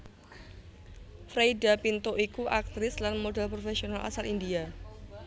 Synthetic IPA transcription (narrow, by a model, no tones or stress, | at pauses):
fɾejdapint̪oʔikuʔak̚t̪ɾɪslanmodalpɾofesionalʔa̰salindia